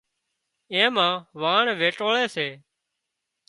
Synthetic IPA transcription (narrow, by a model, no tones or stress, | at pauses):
ẽːmãːʋaːɳʋeːʈoːɭeːseː